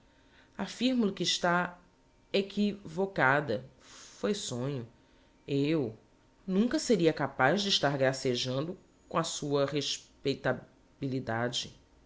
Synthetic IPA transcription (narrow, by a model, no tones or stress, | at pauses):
afiɾmʊlʊkɪːʃt̪a | ekʰivokad̪ɐ | fojsõɲʊ | ew | nũŋkɐseɾiɐkapaʒd͡ʒɪiʃt̪aɾɡɾaseʒɐ̃nd̪ʊ | kõɐsuɐheʃpejt̪a | bilid̪ad͡ʒɪ